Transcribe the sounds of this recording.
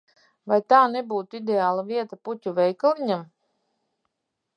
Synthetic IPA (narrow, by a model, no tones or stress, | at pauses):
vajt̪aːnebuːt̪id̪ʲeaːlˠavʲiɛt̪aput̪ʲuvʲɛjkalˠiɲam